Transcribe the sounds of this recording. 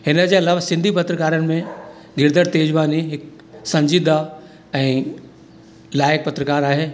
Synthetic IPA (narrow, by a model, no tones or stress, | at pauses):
hɪnə̆d͡ʑeːɐlaːʋsɪ̃nd̪ʱipɐt̪ɾəkaːɾənɪ̆mẽ | ɡɪɾd̪əɽt̪eːd͡ʑʋaːniɦɪk | sɐ̃ɲd͡ʑiːd̪a | ɛ̃ː | laːjɪk̚pɐt̪ɾəkaːɾaːɦeː